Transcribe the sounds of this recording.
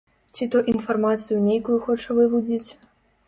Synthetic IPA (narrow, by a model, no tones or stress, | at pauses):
t͡sʲit̪ɔʔinfarmat̪sɨjunʲejkujuxɔt͡ʂɐvɨvud͡zʲit͡sʲ